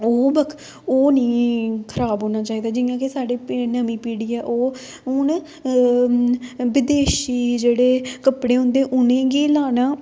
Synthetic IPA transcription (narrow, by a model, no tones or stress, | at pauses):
oːbəkʰ | oːnĩːkʰəɾaːbɦoːnaːt͡ʃaːiːd̪aːd͡ʒɪjãːkesaːɖeːnəmĩːpiːɽiːɛːʔoː | ʊn | ʋɪd̪eːʃiːd͡ʒeːɽeːkəpɽeːɦʊ̃nd̪eːʔʊnẽːɡiːlaːnãː